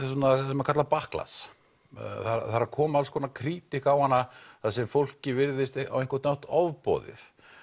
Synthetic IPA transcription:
snasɛmaɾkʰat̪lapahkla̰s | θaɾaθaɾaɾkʰɔːmalskʰɔnakʰɾiːt̪ɪhkawhanːaθasɛmfowl̥cɪvɪɾðɪst̪awehŋkat̪awht̪ɔvpɔ̰ːðɪ̰θ

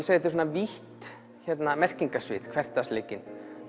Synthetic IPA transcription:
sajðɪt̪̬ɪ̥s̬oːnaviht̪ | çɛt̪namɛr̥ciŋkasvɪ̰ð̥kʰvɛr̥t̪ːasleːcɪn

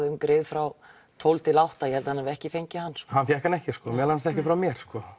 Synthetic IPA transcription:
ðʏmkɾejðfɾaw | t̪ʰowlt̪ʰɪlawht̪ajɛhɛlt̪ahanavɪɛhcɪfejɲcɪhanːshanfjɛhkanɛhcɪskɔmjɛlansɛhcɪfɾawmjɛɾ̥skɔ

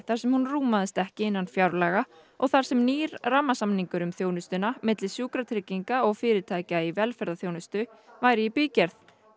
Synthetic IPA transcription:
θḁsɛmhunruːmaðɪst̪ɛhcɪɪnːanfjawɾlaɣa | ɔɣθaɾ̥sɛmniːɾramːasamniŋkʏɾʏmθjoːwnʏst̪ʏnamɪt̪lɪsjuːkɾat̪ʰɾɪciŋkaɔɣfɪːɾɪ̥t̪ʰaːjcaivɛlfɛɾðaθjownʏst̪ʏ | vaːjɾɪipiːcɛɾθ

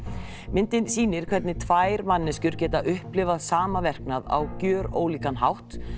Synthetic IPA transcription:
mɪnt̪ɪnsiːnɪɾ̥kʰvɛt̪nɪt̪ʰvaːjɾmanːɪscʏɾcɛːt̪aʔʏhplɪvaðsaːmavɛr̥knaða̰wcœːɾo̰ːwliːkanɦawht̪

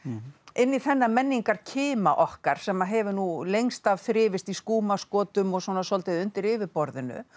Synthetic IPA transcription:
ɪnːiθɛnːamɛnːiŋkaɾ̥cʰɪːmaʔɔhkaɾ̥sɛmaðɦɛvʏnulejŋst̪avθɾɪːvɪst̪iskuːmaskɔːt̪ʏmɔɣswɔːnasɔlt̪ɪðʏnt̪ɪɾɪvɪɾpɔɾðɪnʏ̰

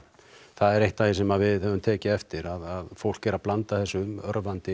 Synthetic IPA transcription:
θaðɛɾejht̪aθɪsɛmaðvɪðœvʏmt̪ʰɛːcɪɛft̪ɪɾaðaðfowl̥cɛɾaðplant̪aθɛsːʏœɾvant̪ɪ

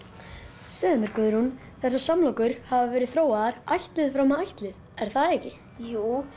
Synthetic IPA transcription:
sœːmʏɾ̥kœðʏɾhun | θɛsːasamlowkʏɾ̥havavɛːɾɪðθɾoːwaðaɾajht̪lɪðfɾawmaajht̪lɪð | ɛɾ̥θaðeːjcɪ | juː

